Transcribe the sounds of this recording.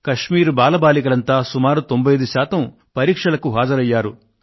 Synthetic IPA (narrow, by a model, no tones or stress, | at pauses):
kɐʂmiːɾubaːlɐbaːlikɐlɐnt̪aːsumaːɾut̪o̞mbʱɐjɐd̪uʃaːt̪ɐm | pɐɾiːkʂɐlɐkuɦaːd͡ʒɐɾɐjːaːɾu